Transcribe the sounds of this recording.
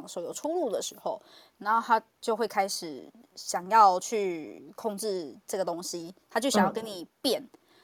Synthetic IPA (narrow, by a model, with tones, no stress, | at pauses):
ŋswɔ˧˥jo˨˩ʊʈ͡ʂʰu˥lu˥˩d̪ə˩ʂɻ̩˧˥˦xo˥˨ʊna˥t̪ʰa˦˥ | t͡ɕjo˥˧ʊxwe˥˩ɪkʰa˥ɪʂɻ̩˨˩ɕjɑ˨˩ŋjɑ˥˧ʊt͡ɕʰy˥˩kʰo˥˧ŋʈ͡ʂɻ̩˥˧ʈ͡ʂɤ˥˩ɡə˩t̪o˦˥ŋɕi˦t̪ʰa˥t͡ɕjɕɑ˨˦jkə˦ni˨˩pjɛ˥˨˩n